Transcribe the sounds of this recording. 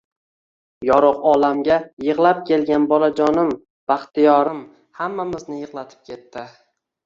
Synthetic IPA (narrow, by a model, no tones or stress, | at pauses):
jɒɾoqɒlamɡʲajɨʁlˠap̚kʲʰe̞lɡʲanbɒlad͡ʒɒnɪm | b̥aχt̪ɪjɒɾɪm | hamːamɪznɪjɨʁlˠat̪ʰɪ̥p̚kʲʰe̞t̪ːɪ